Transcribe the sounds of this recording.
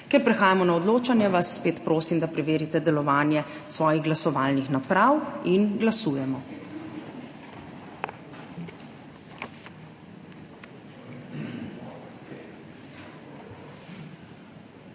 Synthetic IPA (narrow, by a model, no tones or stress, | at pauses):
kɛɾpɾɛxaːjamɔnaɔd̪loːt͡ʃanjɛʋasːpeːt̪pɾoːsimd̪apɾɛʋeːɾit̪ɛd̪ɛlɔʋaːnjɛsʋɔːjiɣɡlasɔʋaːlnixnapɾawinɡlasuːjɛmɔ